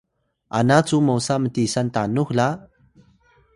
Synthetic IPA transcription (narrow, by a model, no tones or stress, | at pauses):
ʔanat͡sumowsamətisantanuxla